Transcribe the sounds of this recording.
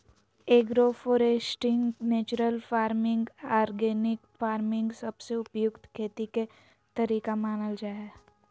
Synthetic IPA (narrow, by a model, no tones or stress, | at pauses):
eːɡɾofoːɾeːsʈɪ̃ŋɡneːt͡ʃʊɾəlfaːɾmɪ̃ŋɡaːɾɡeːnɪkfaːɾmɪ̃ŋɡsɐbseʊpjʊkt̪kʰeːt̪ike | t̪ɐɾiːkamaːnəld͡ʒaːe